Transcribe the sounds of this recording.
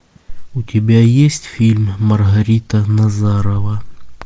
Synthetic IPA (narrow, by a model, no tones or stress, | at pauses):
ʊtʲɪbʲajesʲtʲfʲilʲmʲːərɣɐɾʲit̪ənɐzaɾəvə